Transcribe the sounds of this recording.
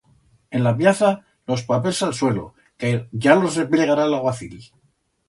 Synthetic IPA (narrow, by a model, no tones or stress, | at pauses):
e̞nlapjaθa | lo̞spape̞lsalswe̞lo̞̰ | kʝalo̞zrepleɣaɾalaɣwaθil